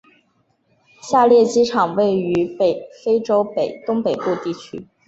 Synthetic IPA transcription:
ɕja˥˧ljɛ˥˩t͡ɕi˥ʈ͡ʂʰɑ˨˩ŋwe˥˩ɪy˧˥pe˨˩ɪfe˥ɪʈ͡ʂo˥ʊpe˨˩ɪt̪ʊ˥ŋpe˨˩ɪpu˥˧t̪i˥˩t͡ɕʰy̰˥

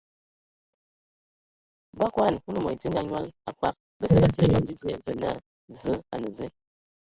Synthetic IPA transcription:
ba˦kʷa˦a˦˨n˨ku˦nə˦mo̰˨ti˦ŋɡa˦ɲ˦a̰˦la˨k͡pa̰˦k̚ | bə˦sə˦ba˨sə˨e˦ɲo˨di˦d͡zi˦e˦və˨na̰˦˨ | zə˦a̰˨nə˨və˦

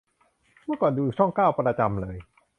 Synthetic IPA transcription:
mɯ˥˩əkɔː˨˩nduː˧˨˩t͡ɕʰɔ˥˩ŋkaː˥˩wpa˧ɾaː˧t͡ɕa˧mlɤː˧j

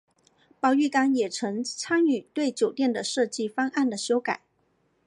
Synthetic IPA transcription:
pɑ˥˧ʊy˥˩ka˥ŋjɛ˨˩ʈ͡ʂʰɤ˧˥ŋt͡sʰa˥ny˨˩t̪we˥˩ɪt͡ɕjo˨˩ʊt̪jɛ˥˩nd̪ə˩ʂɤ˥˧t͡ɕi˥˩fɑ˥ŋa˥˩nd̪ə˩ɕjo˥ʊka˨˩˦ɪ

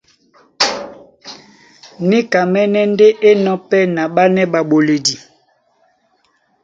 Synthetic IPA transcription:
ni˦ka˨mɛ˦nɛ˦n˦de˦ʔe˦nɔ˦pɛ˦na˨ɓa˦nɛ˦ɓa˨ɓo˨le˨di˨

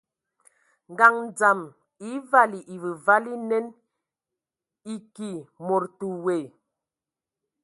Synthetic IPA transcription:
ŋ˨ɡa˨ŋn˨d͡za˨m | i˨˦va˦li˨ʔi˨və˨va˦li˦nɛ˦n | i˦ki˨mo˨ɾtu˨we˨

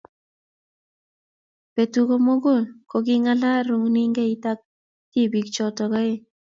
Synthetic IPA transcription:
pe˨tu˨ko˦mo˦ko˦˨nko˨k̬i˦ŋa˦la˦ɾu˦ŋni˦ŋɡe˦ita˦k̚ | ti˦bi˨kt͡ʃɔ˨tɔ˨ka˦e˦

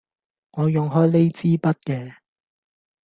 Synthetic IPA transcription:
ŋɔː˨˧jʊ˨ŋɦɔː˥jle˥jt͡siː˥pɐ˥t̚kɛː˧

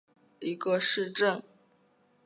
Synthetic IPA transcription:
i˧˥ɡə˧ʂɻ̩˥˧ʈ͡ʂə˥˩ŋ

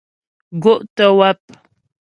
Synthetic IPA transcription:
ɡo˦ʔtə˦wa˦p̚

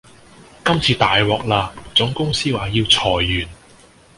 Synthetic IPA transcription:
kɐ˥mt͡sʰiː˧t̪aː˨jwɔː˨k̚laː˧t͡sʊ˨˥ŋkʊ˥ŋsiː˥waː˨˥jiː˧wt͡sʰɔː˨˩jːyː˨˩n

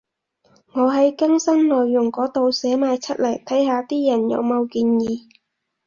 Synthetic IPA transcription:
ŋɔː˨˧ɦɐ˨˥jkɐ˥ŋsɐ˥ŋlɔː˨jːʊ˨˩ŋkɔː˨˥t̪o˨˧wsɛː˨˥maː˨˧jt͡sʰɐ˥t̚lɐ˨˩jt̪ʰɐ˨˥jɦaː˨˧t̪iː˥jɐ˨˩njɐ̰˨˧wmo˨˧wkiː˧njiː˨˧

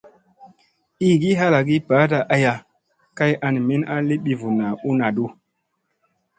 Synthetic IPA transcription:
i˦ɡi˦ɦa˦la˨ɡi˦pa˨˦ta˨ʔa˦ja˨ | ka˦jʔa˧n˨me˦na˦li˦ɓi˨vu˨na˨u˦na˨du˦

